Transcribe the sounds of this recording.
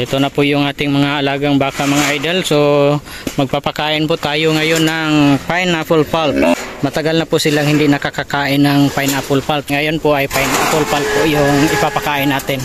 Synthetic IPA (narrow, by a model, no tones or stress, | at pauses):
ɪt̪onapʊʔjʊŋʔaːt̪ɪŋmɐŋaːlaːɡaŋbaːkaʔmaŋaʔajd̪ɛlso | mɐɡ̚papakaːʔɪnpʊʔt̪aːjoŋajonːaŋŋpajnapʊlpaltmɐt̪aɡalnapʊʔsɪlaŋhɪnd̪ɪʔnɐkakakaːʔɪnːaŋpajnapʊlpalt̚ŋajonpʊʔajpajna̰pʊlpalp̚pʊʔjʊŋɪpapakaːʔɪnaːt̪ɪn